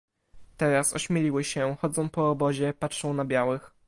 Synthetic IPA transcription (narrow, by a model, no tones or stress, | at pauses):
t̪ɛɾasɔɕmʲelʲiwɘɕɛxɔd̪zɔ̃w̃pɔːbɔʑɛpatʂɔ̃w̃nabʲjawɘx